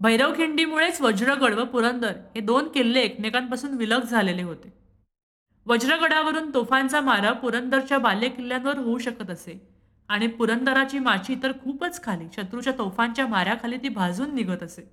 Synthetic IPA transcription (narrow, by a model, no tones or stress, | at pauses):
bʱəjɾəʋkʰiɳɖiːmuɭet͡sʋəd͡ʑɾəɡəɽʋəpuɾənd̪əɾhed̪onkelːeːknekampasuːnʋiləɡd͡zʱaleleɦot̪e | ʋəd͡ʑɾəɡəɽaʋəɾuːnt̪ofant͡samaɾəpuɾənd̪əɾt͡ɕjabaljekilːjanʋəɾɦouɕəkət̪əse | aɽ̃ipuɾənd̪əɾat͡ɕiːmat͡ɕiːt̪əɾkʰuːpət͡skʰaliːɕət̪ɾut͡ɕjat̪ofãɲt͡ɕjamaɾjakʰaliːt̪iːbʱad͡zuːnːiɡʱət̪əse